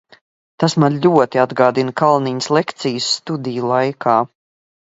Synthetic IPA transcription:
t̪asmanlʲuɔt̪iad̪ɡaːd̪inkalˠniɲəslekt̪sijəsːt̪ud̪ijulˠajkʰaː

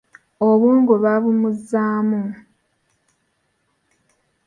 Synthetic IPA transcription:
oβuːŋɡuβaβumuzaːmu

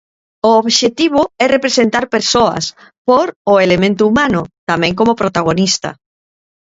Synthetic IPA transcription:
oːβʃet̪iβ̞oɛrepɾesent̪aɾpeɾsoa̰s | poɾoelemẽnt̪ʊumanʊt̪amẽŋk̬omopɾot̪aɣ̞onist̪a̰

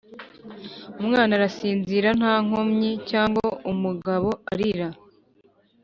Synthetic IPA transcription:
umŋaːnaɾasiːnziɾan̥haːŋ̥omɲicaːŋɡoumuɡaβo̞aɾiɾa

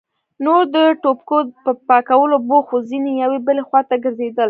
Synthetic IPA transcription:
noɾd̪əʈopkopəpɑkawəloboxozinejawebəlexwɑt̪aɡəɾzed̪əl

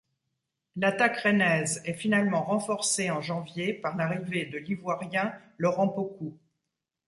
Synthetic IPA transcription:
lat̪akʁenɛzɛfinalmɑ̃ʁɑ̃fɔʁseɑ̃ʒɑ̃vjepaʁlaʁived̪əlivwaʁjɛ̃lɔʁɑ̃poku

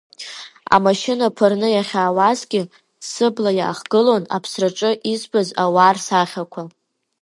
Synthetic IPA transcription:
a̰maʃɪnapʷʰɨrnɨjaχʲaːwazɡʲɪ | sɨblaja̰ːχɡ̥ɨlona̰pʰsraʈ͡ʂʼɨʔizbazawaːrsaχʲakʷʰa

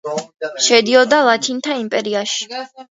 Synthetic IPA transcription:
ʃɛd̪iɔd̪alˠat̪ʰint̪ʰaimpʼɛɾiaʃi̥

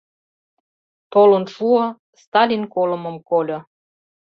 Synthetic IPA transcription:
t̪olənʃuo | st̪ɑlʲinkolɤ̆mə̆mkolʲɤ̆

